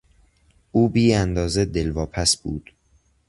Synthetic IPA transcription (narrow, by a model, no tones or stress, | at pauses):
ʔuːbiːænd̪ɒːzed̪elvɒːpʰæsb̥ṵːd̪̥